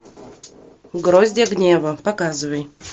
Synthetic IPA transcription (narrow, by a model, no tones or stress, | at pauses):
ɡɾozʲdʲaɡnʲevəpɐkazɨvəj